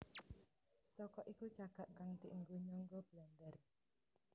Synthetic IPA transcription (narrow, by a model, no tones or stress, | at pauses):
sɔkɔʔikut͡ʃaɡ̥aʔkaŋt̪iʔəŋɡoɲɔŋɡob̥land̪ər